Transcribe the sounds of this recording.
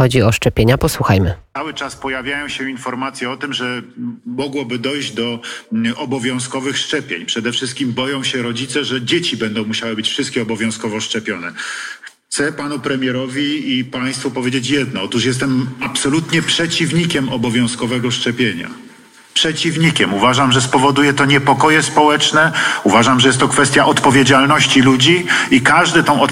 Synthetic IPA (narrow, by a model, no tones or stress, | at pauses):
ɔd͡ʑiɔʂt͡ʂɛpʲjeɲapɔswuxajmɘawɘt͡ʂaspɔjavʲjajɔ̃w̃ɕɛinfɔɾmat̪sʲjɛɔt̪ɘmʐɛmɔɡwɔbɘd̪ɔjʑd͡ʑd̪ɔ | ɔbɔvʲjɔ̃w̃skɔvɘxʂt͡ʂɛpʲjḛɲpʂɛd̪ɛfʂɘst̪̚kʲimbɔjɔ̃w̃ɕɛɾɔd͡ʑit̪sɛʐɛd͡ʑet͡ɕibɛnd̪ɔ̃w̃muɕawɘbɘt͡ɕfʂɨst̪̚kʲɛɔbɔvʲjɔ̃w̃skɔvɔʂt͡ʂɛpʲjɔnɛxtt̪sɛpanupɾɛmʲjɛɾɔvʲiipaj̃st̪fupɔvjed͡ʑet͡ɕjɛd̪̚nɔɔt̪uʂjɛst̪ɛmapsɔlut̪ɲɛpʂɛt͡ɕivɲikʲɛmɔbɔvʲjɔ̃w̃skɔvɛɡɔʂt͡ʂɛpʲjeɲa̰ | pʂɛt͡ɕivɲikʲɛmuvaʐamʐɛspɔvɔd̪ujɛt̪ɔɲɛpɔkɔjɛspɔwɛt͡ʂnɛuvaʐamʐɛjɛst̪ːɔkfɛst̪ʲjaʔɔt̪pɔvʲjed͡ʑalnɔɕt͡ɕilud͡ʑiikaʐd̪ɘt̪ɔ̃w̃ɔ